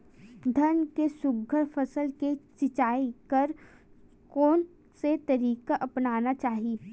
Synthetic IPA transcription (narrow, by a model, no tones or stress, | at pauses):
d̪ʱɐnkesʊɡʱəɾfɐsəlket͡ʃɪt͡ʃaːikɐɾ | kɔːn | set̪ɐɾiːkaʔɐpnaːnat͡ʃaːɦi